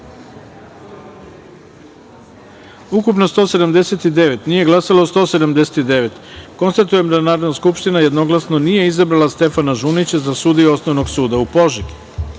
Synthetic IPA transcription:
ukupno̞st̪o̞se̞d̪amd̪e̞se̞t̪id̪e̞ʋe̞t̪nije̞ɡlasaloost̪o̞ːse̞d̪amd̪eset̪id̪e̞ʋe̞t̪ko̞nst̪at̪uje̞md̪anaːɾod̪naskupʃt̪inaje̞d̪no̞ɡlˠasno̞nije̞izabɾalast̪e̞fanaʒunit͡ɕazasuːd̪iuo̞snoʋno̞ɡsuːd̪aupo̞ʒik

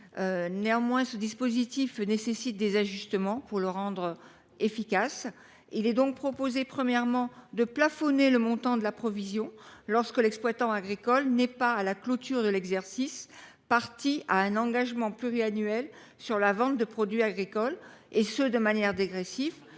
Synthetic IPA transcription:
øneɑ̃mwɛ̃səd̪ispozit̪ifnesesit̪̚d̪ezaʒyst̪əmɑ̃puʁləʁɑ̃d̪ʁə | efikas | ilɛd̪ɔ̃k̚pχɔpozepχəmjɛʁmɑ̃d̪əplafɔneləmɔ̃t̪ɑ̃d̪əlapχɔvizjɔ̃lɔʁskəlɛksplwat̪ɑ̃aɡʁikɔlnɛpaːlaklot̪yʁd̪əlɛɡzɛʁsis | paʁt̪ia̰ɛ̃nɑ̃ɡaʒmɑ̃plyʁianɥɛl | syʁlavɑ̃t̪̚d̪əpχɔd̪ɥiaɡʁikɔlesəd̪əmanjɛʁd̪eɡʁesif

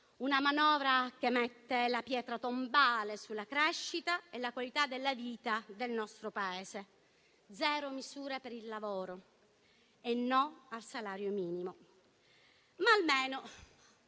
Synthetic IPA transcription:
unamanɔːvɾakemɛt̪ːelapjɛːt̪ɾat̪ombaːlesulːakɾɛʃːit̪aelːakwalit̪ad̪ːelːaviːt̪ad̪elnɔst̪ɾopaɛːse | d̪zɛːɾomizuːɾepeɾilːavɔːɾo | enːɔalsalaːɾjomiːnimo | maːlmeːno

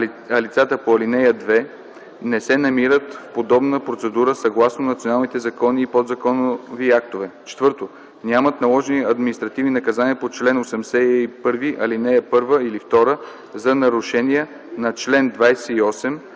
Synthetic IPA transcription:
ɐlit̪sat̪əpoɐlinɛjəd̪vɛ | nɛsɛnɐmiɾət̪fpod̪ɔbnəpɾot̪sɛd̪uɾəsɐɡlˠasnonɐt̪sʲionalˠnit̪ɛzɐkɔniːpod̪zɐkɔnoviak̚t̪ovɛt͡ʃɛ̥t̪vɤɾt̪o | nʲamət̪nɐlˠɔʒniɐd̪minist̪ɾɐt̪ivninɐkɐzaniəpot͡ʃlɛnosɛmsɛɛipɤɾviʔɐlinɛjəpɤɾvəilift̪ɔɾə | zɐnɐɾuʃɛniɛ | nɐt͡ʃlɛnd̪vajsɛiɔsɛm

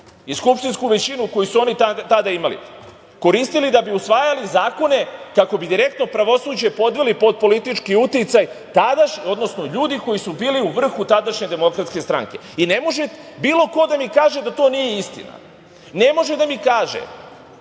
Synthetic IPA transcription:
iskupʃt̪inskuʋe̞t͡ɕinuko̞jusuo̞nit̪at̪ad̪aimalḭ | ko̞ɾist̪ilid̪abiusʋaːjalizaːko̞ne̞kako̞bid̪iɾe̞kt̪no̞pɾaʋo̞suːd͡ʑepo̞d̪ʋelipo̞d̪̚po̞lit̪it͡ʃkiut̪it̪sajt̪ad̪aʃɲo̞d̪no̞sno̞ʎuːd̪iko̞jisubiːliuʋr̩xut̪ad̪aʃɲe̞d̪e̞mo̞kɾat̪ske̞st̪ɾa̰ŋke̞ine̞mo̞ʒebiːlo̞ko̞d̪amikaːʒe̞d̪at̪o̞ːnije̞ist̪ḭna̰ | ne̞mo̞ʒe̞d̪amikaːʒḛ

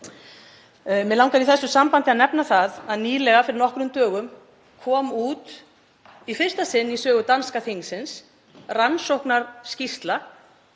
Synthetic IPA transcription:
mɛðlawŋkaɾiθɛsːʏsampant̪ɪaðnɛpnaθaðaðniːlɛɣafɪɾɪɾnɔhkɾʏmt̪œːɣʏm | kʰɔːmuːt̪ | ifɪr̥st̪asɪnːisœːɣʏt̪anskaθiŋsɪns | ransowhknaɾscist̪la

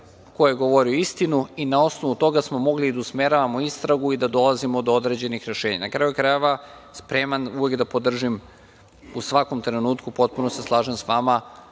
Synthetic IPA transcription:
ko̞jeeɡo̞ʋo̞ɾioist̪inuinao̞sno̞ʋut̪o̞ɡasmo̞mo̞ɡliːd̪ausme̞ɾaʋamoist̪ɾaɡuid̪ad̪o̞lazimod̪ood̪ɾe̞d͡ʑe̞nixɾe̞ʃeːɲa̰nakɾajukɾajeʋa | spɾe̞manuʋe̞ɡd̪apo̞d̪r̩ʒim | usʋako̞mt̪ɾe̞nuːt̪kupo̞t̪̚punoseslˠaːʒemsʋama

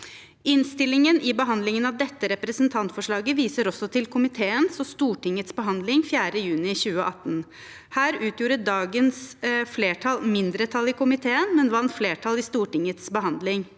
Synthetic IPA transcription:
ɪnst̪ɪlɪŋənʔɪbəɦɑnd̪lɪŋənɑd̪ɛt̪ːəɾɛpɾəsənt̪ʰɑnt̪fɔʂɭɑːɡəʋiːsəɾɔsɔt̪ʰɪlkʰʊmɪt̪ʰeːənsɔst̪uːʈɪŋət̪sbəɦɑnd̪lɪŋfjæːɾəjʉːnɪçʉːəʔɑt̪ːn̩ | hæːɾʉːt̪ʰjuːɾəd̪ɑːɡənsfleːʈʰɑlmɪnd̪ɾət̪ʰɑlɪkʰʊmɪt̪ʰeːənmɛnʋɑnt̪fleːʈʰɑlɪst̪uːʈɪŋət̪sbəɦɑnd̪lɪŋ

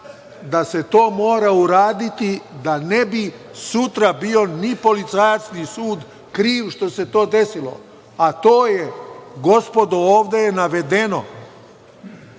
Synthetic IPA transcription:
d̪ase̞t̪o̞ːmo̞ːɾauɾaːd̪it̪id̪anebi | sut̪ɾabio̞nipo̞lit̪sajasnisuːd̪ | kɾiːʋʃt̪o̞se̞t̪o̞ːd̪e̞silo̞̰ | at̪oːjeɡo̞spo̞d̪ooːʋd̪e̞jenaʋe̞d̪eno̰

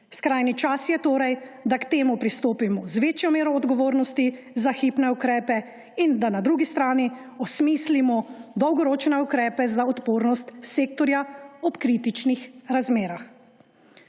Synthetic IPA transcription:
skɾaːjnit͡ʃasjɛt̪oːɾɛjd̪akt̪eːmupɾist̪oːpimɔzʋeːt͡ʃjɔmeːɾɔːd̪ɡɔʋoːɾnɔst̪i | zaxiːpnɛukɾɛːpɛ | ind̪anad̪ɾuːɡist̪ɾaːni | ɔsmiːslimɔd̪ɔwɡɔɾoːt͡ʃnɛukɾɛːpɛzaɔt̪poːɾnɔst̪seːkt̪ɔɾjaɔpkɾiːt̪it͡ʃnixɾazmeːɾax

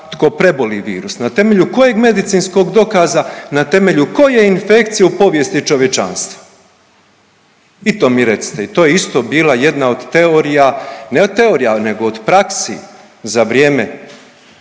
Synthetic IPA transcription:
t̪ko̞pɾe̞boliʋḭːɾusnat̪e̞me̞ʎuko̞je̞ɡme̞d̪it̪siːnsko̞ɡd̪o̞kaːzanat̪e̞me̞ʎuko̞jeinfe̞kt̪sijaupo̞ʋje̞st̪it͡ʃo̞ʋje̞t͡ʃa̰nst̪ʋḁ | it̪o̞ːmiɾe̞t̪si̥t̪eit̪o̞ːjeist̪o̞ːbiːlˠaje̞d̪nao̞d̪t̪e̞oɾijaneod̪̚t̪e̞o̞ːɾijane̞ɡo̞od̪pɾaksḭ | zaʋɾjeːme

